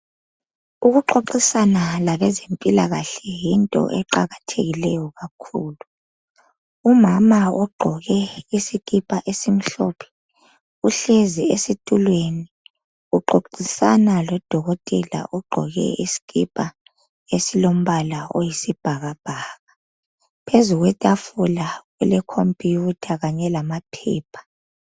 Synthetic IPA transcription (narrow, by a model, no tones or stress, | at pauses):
uɣuǃoǃisanalaβɛzempʼilaɣaɬɛjintʼɔ̰ʔɛǃaɣatʰḛɣilɛjɔɣakʰuːlu | umamaɔɡ͡ǃʱɔɣɛisiɣʼipʼaʔesim̩ɬɔpʰɛ̥ | uɬeziesitʼulweni | uǃoǃisanalɔd̥ʱɔɣɔtʼɛla̰ʔɔɡ͡ǃʱɔ̰ɣɛ̰isi̥kipʼa | esilom̩βalao̰jisib̥ʱaɣab̥ʱaːɣa | pʰezuɣwɛtʼafulaɣwɛlɛkʰompʼiutʰaɣaɲɛlamapʰɛ̰ːpʰḁ